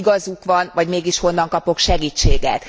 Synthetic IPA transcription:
ɡɒzukʋɒnvɒɟmeːɡiʃho̞nːɒŋkɒpo̞kʃɛɡiːt͡ʃːeːɡɛ̰t̪

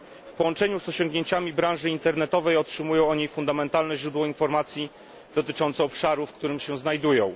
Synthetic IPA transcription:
fpɔwɔnt͡ʂɛɲuzɔɕɔ̃ŋɡɲeɲt͡ɕamʲibɾãw̃ʐɘint̪ɛɾnɛt̪ɔvɛjɔtʂɘmujɔ̃w̃ɔɲejfund̪amɛnt̪alnɛʑɾud̪wɔinfɔɾmat̪sʲji | d̪̥ɔt̪ɘt͡ʂɔnt̪sɛɔpʂaɾufkt̪uɾɘmɕɛznajd̪ujɔ̃w̃

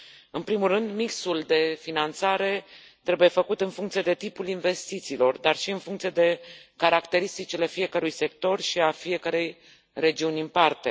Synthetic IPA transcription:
ɨnpɾimulːɨnd̪miksuld̪e̞finant̪saɾe̞ | t̪ɾe̞buje̞fəkut̪ɨnfuŋkt̪sije̞d̪e̞t̪ipulinve̞st̪it̪siːlo̞rd̪arʃiɨnfuŋkt̪sijed̪e̞kaɾakt̪e̞ɾist̪it͡ʃile̞fije̞kəɾujse̞k̚t̪o̞rʃiafije̞kəɾe̞j | re̞d͡ʒiunʲɨnpart̪e̞

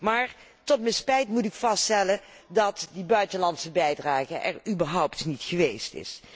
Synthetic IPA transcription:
maːɹ | tɔtmɛjspɛjtmutɪkfɑsttɛlən | dɑtdibœɥtənlɑntsəbɛjdraːχəʔɛ̰rybəɹɦɔwptnitχəʋejstɪ̰s

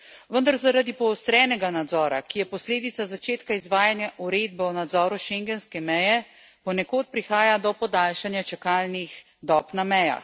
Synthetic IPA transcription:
ʋənd̪aɾzaɾad̪ipɔːst̪ɾɛːnɛɡanad̪zɔːɾa̰kijɛpɔsleːd̪it̪sazat͡ʃeːt̪kaizʋaːjanjaʔuɾeːd̪̚bɛwnad̪zɔːɾuʃeŋɡɛnskɛmɛjɛ | pɔnɛkoːt̪̚pɾixaːjad̪ɔpɔd̪aːlʃanjat͡ʃɛkaːlnix | d̪ɔːpnamɛja̰x

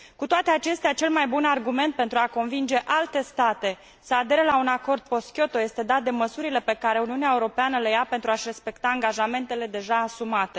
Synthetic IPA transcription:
kut̪oat̪e̞at͡ʃe̞st̪eat͡ʃe̞lmajbunarɡume̞nt̪̚pe̞nt̪ɾuako̞nvind͡ʒe̞ʔalt̪e̞st̪at̪e̞ | səad̪e̞ɾelaunako̞rd̪̚po̞skʲjo̞t̪o̞je̞st̪e̞d̪at̪̚d̪e̞məsuɾile̞pe̞kaɾe̞uniuneaeuɾo̞peanəlejape̞nt̪ɾuaʃre̞spe̞kt̪aːŋɡaʒame̞nt̪e̞le̞d̪e̞ʒaːsumat̪e̞

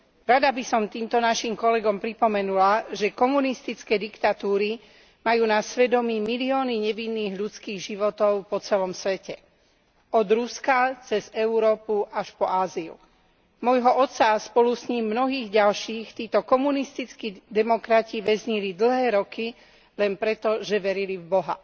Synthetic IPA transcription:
ɾad̪abisɔmt̪iːmt̪ɔnaʃimkɔlɛɡɔmpɾipɔmɛnulaʒɛkɔmunist̪it͡skɛːd̪ikt̪at̪uːɾi | majuːnasʋɛd̪ɔmiːmiliɔːniɲɛʋinːiːɣʎut͡skiːɣʒiʋɔt̪ɔʊpɔt͡sɛlɔmsʋɛcɛ | ɔd̪ɾuskat͡sɛzɛuɾɔːpuʔaʃpɔaːziṵ | mɔjɦɔʔɔt̪saspɔlusɲiːmːnɔɦiːɣɟalʃiːxt̪iːt̪ɔkɔmunist̪it͡skid̪ɛmɔkɾaciʋɛzɲilid̪l̩ɦɛːɾɔki | lɛnpɾɛt̪ɔʒɛʋɛɾilivbɔɦa̰

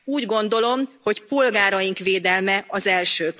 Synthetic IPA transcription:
uːɟɡo̞nd̪o̞lo̞mho̞cpo̞lɡaːɾɒjiŋkʋeːd̪ɛlmɛɒzɛlʃøː

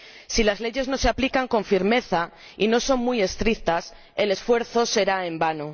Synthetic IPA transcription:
silazle̞ʝe̞zno̞se̞aplikaŋko̞ɱfiɾme̞θa | ino̞so̞ŋmuje̞st̪ɾik̚t̪as | e̞le̞sfwe̞ɾθo̞se̞ɾaembano

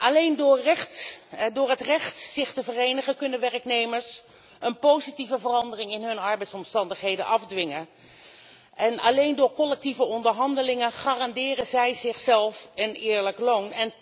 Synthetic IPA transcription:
ʔɑlejndʊːrɛtdʊːɹɦətrɛχtsɪχtəvərejnəχənkɵnəʋɛrəknejməɹs | ənpowzitivəvərɑndərɪŋɪnɦɵnɑɹbɛjtsɔmstɑndəχɦejdənʔɑfdʋɪŋə | ʔɛnɑlejndʊːɹkɔlɛk̚tivəɔndəɹɦɑndəlɪŋənχaːrɑndɪːrənzɛjzɪχsɛlˠfənɪːɹləklownɛn

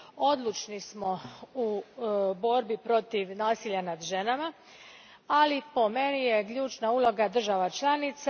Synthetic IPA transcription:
o̞d̪lˠut͡ʃnismo̞ubo̞ɾbipɾo̞t̪iʋnaːsiːʎanad̪ʒe̞nama | alipo̞me̞nijekʎuːt͡ʃnauːlˠo̞ɡad̪r̩ʒaʋat͡ʃlˠanit̪s

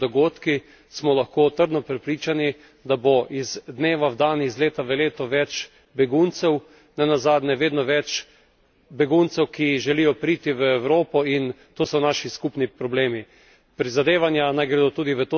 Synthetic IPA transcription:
d̪ɔɡoːt̪ki | smɔlaxkoːt̪əɾd̪nɔpɾɛpɾiːt͡ʃani | d̪aboʔizd̪neːʋawd̪aːnizleːt̪aʋəleːt̪ɔʋɛt͡ʃ | bɛɡunt̪sɛw | nɛnazaːd̪nɛʋeːd̪nɔʋɛt͡ʃ | bɛɡunt̪sɛwkiʒɛlijɔpɾiːt̪iʋəɛwɾoːpɔin | t̪oːsɔnaːʃiskupnipɾɔbleːmi | pɾizad̪eːʋanjanajɡɾɛd̪ot̪uːd̪iʋət̪o

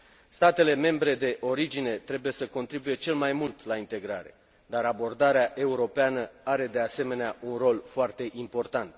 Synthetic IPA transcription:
st̪at̪e̞le̞me̞mbɾe̞d̪e̞ʔo̞ɾid͡ʒine̞t̪ɾe̞buje̞səko̞nt̪ɾibuje̞t͡ʃe̞lmajmult̪laint̪e̞ɡɾaɾe̞̰ | d̪aɾabo̞rd̪aɾeaʔe̞uɾo̞peanəaɾe̞d̪e̞ase̞me̞neaunro̞lfoart̪e̞ʔimpo̞rt̪ant̪

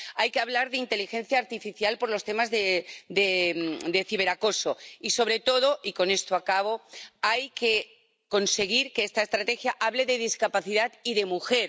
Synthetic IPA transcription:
ajkeaβ̞laɾðeint̪e̞lixẽ̞nθjaːɾt̪ifiθjalpo̞ɾlo̞st̪e̞mazðed̪emd̪e̞θiβ̞e̞ɾako̞so̞iso̞β̞ɾe̞t̪o̞ð̞oʔiko̞ne̞st̪oakaβ̞o̞ajke̞ | ko̞nse̞ɣ̞iɾkeest̪aest̪ɾat̪e̞xjaʔaβle̞ðe̞ð̞iskapaθiðat̪iðe̞muxe̞ɾ

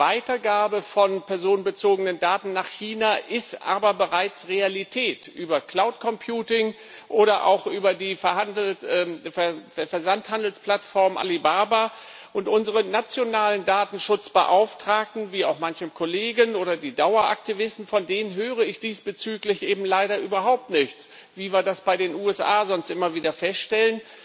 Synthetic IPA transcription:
vaɪtɐɡaːbəfɔnpɛɐzoːnənbət͡soːɡənəndaːtn̩naːχçiːnaːʔɪstʔa̰ːbɐbəʁaɪt͡sʁealitʰɛːtʔyːbɐkl̥aʊtkʰɔmpʰjuːtɪŋ | ʔoːɾɐʔa̰ʊxʔyːbɐdiːfɛɐhandl̩ːɛɛfɛɐzanthandl̩spl̥atfɔɐmʔa̰libaːba | ʔʊntʔʊnzəʁənat͡sjonaːləndaːtn̩ʃʊt͡sb̥ə̰ʔaʊftʁ̥aːk̚tn̩viːaʊxmançəmkʰoleːɡənʔoːɾɐdiːdaʊɐʔa̰k̚tʰivɪstn̩fɔndeːnənɦøːʁ̞əɪçd̥iːsb̥ət͡syːklɪçʔeːbm̩laɪɾɐʔyːbɐɦaʊp̚tnɪçt͡s | viːviːɐdasb̥aɪɾeːnʔuːɛsʔaːzɔnstʔɪmɐviːdɐfɛstʃtɛlən

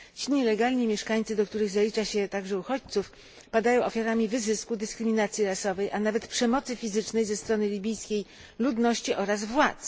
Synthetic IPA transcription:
t͡ɕiɲɛlɛɡalɲimʲjɛʂkaɲʲt̪sɘd̪ɔk̚t̪uɾɘɣzalʲit͡ʂaɕɛt̪aɡʐɛuxɔt͡ɕt̪suf | pad̪ajɔ̃w̃ʔɔfʲjaɾamʲivɘzɘskud̪ɘskɾɘmʲinat̪sʲjiɾasɔvɛjʔanavɛt̪pʂɛmɔt̪sɘfʲizɘt͡ʂnɛjzɛst̪ɾɔnɘlʲibʲijskʲej | lud̪nɔɕt͡ɕiʔɔɾazvwat̪s

